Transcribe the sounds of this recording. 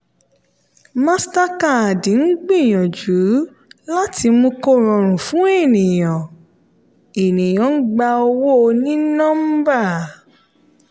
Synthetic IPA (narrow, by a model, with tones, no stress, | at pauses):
mã˦sta˦ka˦˨dĩ˨˦n̩˦ɡ͡bĩ˦˨j̃ɔ̃˨d͡ʒu˨˦ | la˦tʰi˧mũ˧ko˦˨ɾ̃ɔ̃˨ɾ̃ũ˨fũ˦e˦˨nĩ˨j̃ɔ̃˨ | e˨nĩ˨j̃ɔ̃˨˦ɡ͡ba˧o˧wo˦˧nĩ˦nɔ̃˦m̩˦ba˦˨